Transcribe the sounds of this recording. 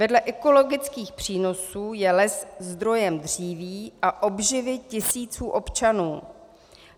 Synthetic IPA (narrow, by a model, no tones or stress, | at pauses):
vɛdlɛʔɛko̞lo̞ɡɪt͡skiːxpr̝̥iːno̞suːjɛlɛszd̪ɾo̞jɛmd̪r̝iːviːʔaʔobʒɪvɪcɪsiːt͡suːʔo̞pt͡ʃanuː